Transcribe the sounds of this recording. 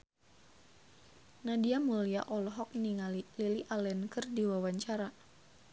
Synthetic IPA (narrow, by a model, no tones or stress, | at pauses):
nadiamulia̰ʔɔlɔɦɔk̚niŋalliliʔalɛnkɨrdiwawaɲt͡ʃaɾa